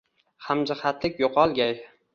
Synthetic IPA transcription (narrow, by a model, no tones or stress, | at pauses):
hamd͡ʒɪχat̪lɪk̚ʲjoqʰɒlˠɡʲaj